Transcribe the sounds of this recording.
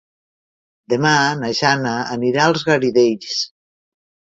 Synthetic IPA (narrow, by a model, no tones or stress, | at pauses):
d̪emanaʒanaːniɾalˠzɣaɾiðeʎʎs